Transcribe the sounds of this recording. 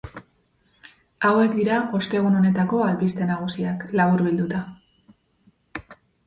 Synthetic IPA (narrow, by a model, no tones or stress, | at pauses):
awe̞kd̪iɾao̞st̪e̞ɣuno̞ne̞t̪ako̞alβist̪e̞naɣ̞usiaklaβ̞uɾβild̪ut̪a